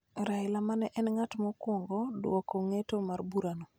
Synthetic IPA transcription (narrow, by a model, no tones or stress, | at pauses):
ɾaɪlamanɛʔɛnŋatmɔkwɔŋɡɔdwɔkoŋetomarbuɾano